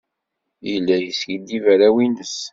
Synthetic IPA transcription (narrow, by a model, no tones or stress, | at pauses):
jilːæjəsʝəd̪ivæɾæwinəs